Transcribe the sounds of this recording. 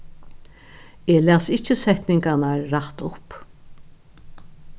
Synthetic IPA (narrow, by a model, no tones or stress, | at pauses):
eːlæːsɪht͡ʃəsɛht̪nɪŋkanaɾːat̪ʊp